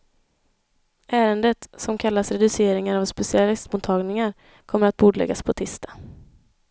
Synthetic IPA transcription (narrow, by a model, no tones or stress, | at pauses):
ʔæːɾənd̪ət̪sɔmkʰalːasɾɛd̪ɵseːɾɪŋaɾavspɛsɪalɪst̪mʊːt̪ʰɑːɡnɪŋaɾ | kʰɔmːəɾat̪̚buːd̪ɭɛ̰ɡːaspʰɔt̪ʰɪst̪ʰḁ